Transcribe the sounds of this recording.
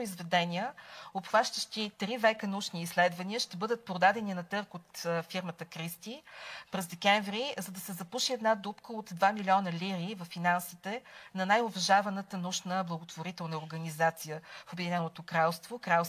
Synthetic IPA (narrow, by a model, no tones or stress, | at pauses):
izvɛd̪ɛniəopxvaʃt̪əʃt̪it̪ɾivɛkənut͡ʃniːslɛd̪vɐniəʃt̪ɛbɤd̪ət̪̚pɾod̪ad̪ɛninɐt̪ɤɾkot̪fiɾmət̪əkɾist̪ipɾɛzd̪ɛkɛɱvɾizɐd̪ɐsɛzɐpuʃiɛd̪nad̪upkəot̪d̪vamilʲiɔnəliɾivɐfːinansit̪ɛnɐnajovɐʒavɐnət̪ənuʃnəblˠəɡot̪voɾit̪ɛlˠnəoɾɡənizat̪sijəfobɛd̪inɛnot̪okɾalˠst̪vokɾalˠ